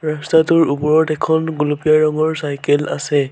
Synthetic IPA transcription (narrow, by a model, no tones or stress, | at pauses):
ɹastatʊɹupɔɹɔtɛkʰɔnɡulupijaɹɔŋɔɹsajkɛla̰sɛ